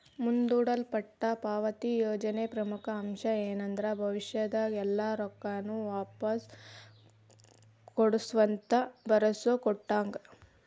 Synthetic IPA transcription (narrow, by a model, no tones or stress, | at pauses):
mund̪uːɽɐlpɐʈːɐpaːʋɐt̪ijoːd͡ʒɐnepɾɐmukɐɐmʂɐeːnɐnd̪ɐɾɐbʱɐʋiʂjɐd̪ɐɛlːaːɾɔkːanːuʋaːpɐs | koɽusʋɐnt̪ɐbɐɾɐsokɔʈːaːŋɡɐ